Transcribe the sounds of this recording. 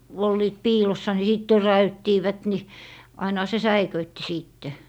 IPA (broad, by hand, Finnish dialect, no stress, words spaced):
olːiːt piːlosːɑ ni siˑt tøræytːiːʋæt ni ɑinɑ̆hɑ se sæikøitːi siˑtːe